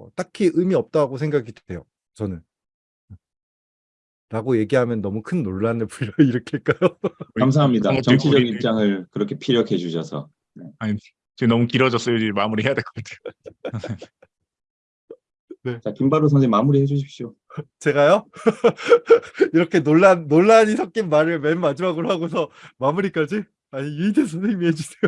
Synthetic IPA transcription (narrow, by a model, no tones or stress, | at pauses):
ʌ̰t͈akʰiʔɯmiʌp̚t͈aɡosʰe̞ŋɡakʰide̞jo | t͡ɕʌnɯn | e | ɾaɡoje̞ɡiɦamjʌnːʌmukʰɯnːoɭːanɯpuʎjʌiɾʌkʰeek͈ajokams̬ʰaɦamɲidaɡat͡ɕʌt͡ɕʰid͡ʑʌɡipt͡ɕ͈aŋɯɭkɯɾʌkʰepʰiɾjʌkʰe̞d͡ʑuɕʰʌsʰʌ̰ | neaɲi | t͡ɕenʌmukiɾʌd͡ʑʌs͈ʌjod͡ʑid͡ʑmamuɾiɦejadweɭk͈ʌkatʰe̥o̥e | ne̞t͡ɕakimbaɾos̬ʰademamuɾiɦed͡ʑuɕ̬ʰip̚ɕ͈io | t͡ɕe̞ɡajʌ | iɾʌkʰe̞noɭːanːoɭːaɲisʰʌk͈̚inmaɾɯɭme̞nmad͡ʑimaɡoɾoɦaɡos̬ʰʌmamuɾik͈ad͡ʑi | aɲijuides̬ʰʌnsʰeŋimiɦed͡ʑusʰejo